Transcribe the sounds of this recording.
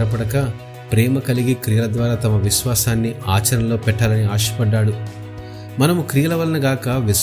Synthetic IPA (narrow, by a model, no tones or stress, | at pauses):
ɾɐp̬ɐɽɐkɐ | pɾɛːmɐkɐliɡikɾijɐlɐd̪ʋaːɾaːt̪ɐmɐʋiʃʋaːsaːnːiaːt͡ʃɐɾɐnɐlo̞ːpɛʈːaːlɐniaːʃɐ̥pɐɖːaːɽu | mɐnɐmukɾijɐlɐʋɐlɐnɐɡaːkɐʋi